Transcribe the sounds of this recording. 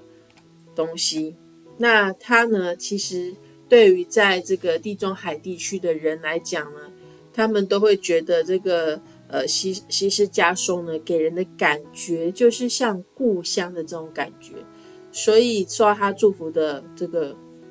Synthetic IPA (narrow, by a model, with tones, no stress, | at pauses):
t̪ʊ˥ŋɕi˧ | na˥˩t̪ʰa˥nə˨t͡ɕʰi˧˥ʂɻ̩˧˥ | t̪we˥˩ɪy˧˥t͡sa˥˧ɪʈ͡ʂɤ˥˩ɡə˩t̪i˥˧˩ʈ͡ʂʊ˥˩ŋxa˨˩ɪt̪i˥˩t͡ɕʰy˥d̪ə˨ɻə˧˦˥nla˧˥ɪt͡ɕjɑ˨˩ŋnə˦ | t̪ʰa˥mə˨nt̪o˥ʊxwe˥˩ɪt͡ɕɥɛ˧˥d̪ə˧ʈ͡ʂɤ˥˩ɡə˩ | ə˩ɕi˧˥ɕi˧˥ʂɻ̩˥˩t͡ɕja˥ʂo˥˩ʊnə˨ke˨˩ɪɻə˧˥nd̪ə˧ka˨˩nt͡ɕɥɛ˧˥t͡ɕjo˥˧ʊʂɻ̩˥˧ɕjɑ˥˧ŋku˥˩˧ɕjɑ˥ŋd̪ə˨ʈ͡ʂɤ˥˩ʈ͡ʂʊ˧˥ŋka˨˩nt͡ɕɥɛ̰˧˥ | swɔ˧˥i˨˩o˥a˥˩t̪ʰa˥ʈ͡ʂu˥˩fu˧˥d̪ə˧ʈ͡ʂɤ˥˩ɡə˩